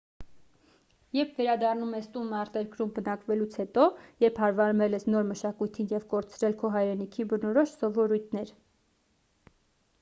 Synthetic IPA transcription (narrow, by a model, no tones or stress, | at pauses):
jɛɾpʰvɛɾɑd̪ɑrnumɛst̪unɑɾt̪ɛɾkɾumbənɑkvɛlut͡sʰhɛt̪ɔjɛɾpʰhɑɾvɑɾmɛlɛsnɔɾməʃɑkujt̪ʰinjɛvkɔɾt͡sʰɾɛlkʰɔɦɑjɾɛnikʰibənɔɾɔʃsɔvɔɾujt̪ʰnɛɾ